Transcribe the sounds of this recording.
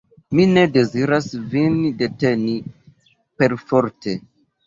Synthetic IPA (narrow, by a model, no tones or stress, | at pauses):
mine̞de̞ziɾasvinde̞teni | pe̞ɾfoɾte